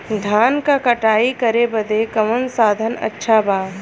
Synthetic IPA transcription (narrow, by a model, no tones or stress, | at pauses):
d̪ʱaːnkakɐʈaːikɐɾebɐd̪ekɐmənsaːd̪ʱənɐ̰tːʃʰabaː